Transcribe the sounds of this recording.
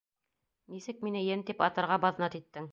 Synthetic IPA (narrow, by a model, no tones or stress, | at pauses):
nisɘk̚minɘjɘnt̪ipɑt̪ɤ̆ɾʁɑbɑð̆nɑt̪it̪ːɘŋ